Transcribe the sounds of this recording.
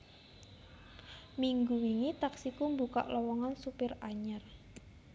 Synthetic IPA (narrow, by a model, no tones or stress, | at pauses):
miŋɡuwiŋit̪aksikumbuka̰ʔlɔwɔŋansupɪraɲər